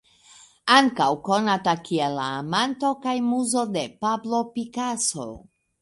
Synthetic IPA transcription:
aŋkawko̞natakielːa̰ːmanto̞kajmuzo̞de̞pablo̞pikaso̰

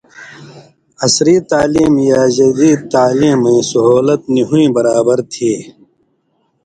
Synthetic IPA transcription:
ɐsɾiːt̪aːliːmjaːd͡ʒɐd̪iːt̪aːliːmẽːsʊɦuːlət̪̚niɦuĩːbɐɾaːbəɾt̪ʰiː

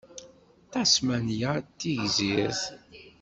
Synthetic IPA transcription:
t̪ɑsmænjat̪ːiʝziɾθ

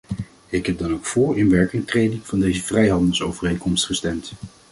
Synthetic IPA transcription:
ɪkɦɛb̚dɑnowkfʊːɹɪnʋɛɹkɪŋtrejdɪŋv̥ɑndejzəv̥rɛjɦɑndəlˠsowvərejŋkɔmstχəstɛmt

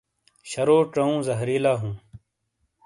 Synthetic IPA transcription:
ɕɐɾoːʈɐũːzɐɦɾiːlaːɦũː

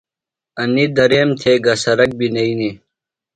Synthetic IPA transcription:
ɐnid̪ɐɾeːmt̪ʰeːɡɐsɐɾɐk̚binɐini

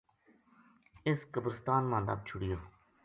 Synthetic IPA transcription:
ɪskəbɾəst̪aːnmãːnd̪aːb̚t͡ʃʰʊɽɪjoː

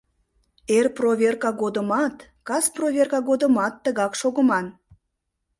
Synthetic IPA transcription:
erprovʲerkɑɣod̪əmɑt̪ | kɑsprovʲerkɑɣod̪əmɑt̪ːəɣɑkʃoɣəmɑn

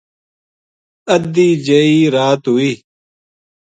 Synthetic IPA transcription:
ɐd̪iːd͡ʑɐiːɾaːt̪ɦuiː

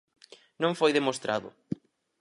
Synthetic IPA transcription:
nõŋfojðemost̪ɾa̰ðʊ̰

